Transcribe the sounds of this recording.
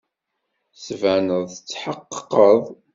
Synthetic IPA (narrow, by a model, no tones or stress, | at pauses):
svænəðˤθət͡sːħəqːəðˤ